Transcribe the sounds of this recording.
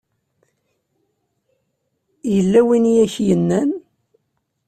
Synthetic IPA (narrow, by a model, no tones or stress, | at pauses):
jəlːæwinjæçjənːæn